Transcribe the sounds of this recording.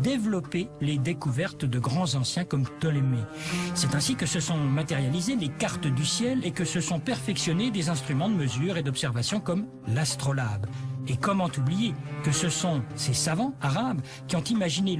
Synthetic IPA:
d̪evlɔpeled̪ekuvɛʁt̪d̪əɡʁɑ̃zɑ̃sjɛ̃kɔmt̪ɔlemesɛt̪ɛ̃sikəsəsɔ̃mat̪ɛʁjalizelekaʁt̪d̪ysjɛlekəsəsɔ̃pɛʁfɛksjɔned̪ezɛ̃st̪χymɑ̃d̪əməzyːʁed̪ɔpsɛʁvasjɔ̃kɔm | last̪χɔlabekɔmɑ̃t̪ublijekəsəsɔ̃sesavɑ̃aʁab | kʲiɔ̃t̪imaʒine

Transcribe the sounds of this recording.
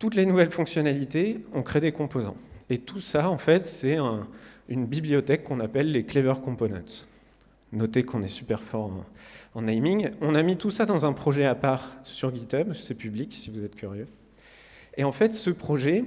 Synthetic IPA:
t̪ut̪lenuvɛlfɔ̃ksjɔnalit̪eɔ̃kχed̪ekɔ̃pozɑ̰̃et̪usaɑ̃fɛt̪sɛɛ̃ynbibliɔt̪ɛkːɔ̃napɛlːeklevœʁkɔ̃ponɑ̰̃t̪ | nɔt̪ekɔ̃nɛsypɛʁfɔʁɑ̰̃ɑ̃najmiŋɔ̃namit̪usad̪ɑ̃zɛ̃pχɔʒɛapaʁsyʁɡʲit̪œbsɛpybliksivuzɛt̪kʲʰyʁjø | eɑ̃fɛt̪səpχɔʒɛ

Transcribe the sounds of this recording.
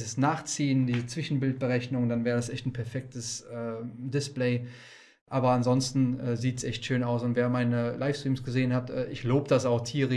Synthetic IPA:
zəsnaːχt͡siːəndiːzət͡sv̥ɪʃn̩bɪlt̚b̥əʁɛçnʊŋdanvɛːʁədasʔɛçtn̩pʰɛɐfɛk̚təsʔɛːdɪspleɪ | ʔaːbɐanzɔnstn̩ʔɛːziːtsʔɛçtʃøːnaʊsʊntveːɐmaɪnəlaɪfstʁ̥iːmsɡ̥əzeːənhatɛ̰ːʔɪçloːbədasaʊxtʰiːʁə

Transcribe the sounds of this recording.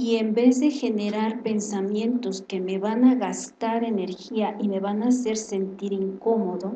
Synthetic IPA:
iembe̞zðe̞xe̞neɾaɾpe̞nsamje̞nt̪o̞ske̞me̞βanaɣast̪aɾe̞ne̞ɾxiaʔime̞βanase̞ɾse̞nt̪iɾiŋko̞mo̞ðo

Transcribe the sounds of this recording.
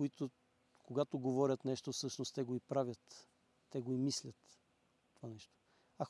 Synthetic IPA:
koit̪o | koɡat̪oɡovɔɾʲət̪nɛʃt̪osɤʃnost̪ɛɡoipɾavʲjət̪ː | ɛɡoimislʲət̪ | t̪ovanɛʃt̪o̥ | a

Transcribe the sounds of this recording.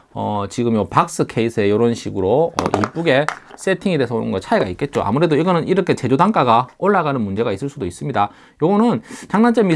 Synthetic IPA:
ʌt͡ɕiɡɯmjopak̚s͈ɯkʰe̞isʰe̞jʌɾonɕʰiɡɯɾoʌ̰ʔḭp͈uɡe̞s͈e̞tʰiŋedesʰʌonɯ̰ŋɡʌt͡ɕʰaeɡait̚k͈e̞t̚t͡ɕ͈o̰ʔa̰muɾe̞doiɡʌnɯniɾʌkʰe̞t͡ɕe̞d͡ʑodaŋk͈aɡaoɭːaɡanɯnmund͡ʑe̞ɡais͈ɯɭs͈udois͈ɯmɲida | joɡʌnɯnt͡ɕaŋnant͡ɕ͈emi

